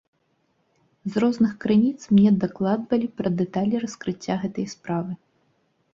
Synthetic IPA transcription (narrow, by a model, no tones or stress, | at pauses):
zrɔznɨxkɾɨnʲit̪smnʲɛd̪aklˠad̪vɐlʲipɾɐd̪ɛt̪alʲirɐskɾɨt͡sʲːaɣɛt̪ɐjspɾavɨ